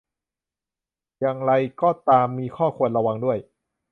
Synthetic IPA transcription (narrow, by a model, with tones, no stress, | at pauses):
ja˧ŋɾa˧jkɔː˥˩t̪aː˧mːiː˧kʰɔː˥˩kʰu˧ənɾa˧wa˧ŋdu˥˩əj